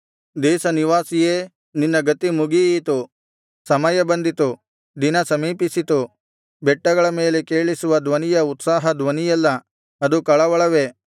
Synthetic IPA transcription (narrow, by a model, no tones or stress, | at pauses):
d̪ɛːsɐniʋaːsijeː | ninːɐɡɐt̪ːimuɡiːt̪u | sɐmɐjɐbɐnd̪it̪u | d̪inɐsɐmiːpisit̪u | bɛʈːɐɡɐɭɐmeːlekeːɭisuʋɐd̪ʋɐnijɐut̪saːɦɐd̪ʋɐnijɛlːɐ | ɐd̪ukɐɭɐʋɐɭɐʋe̞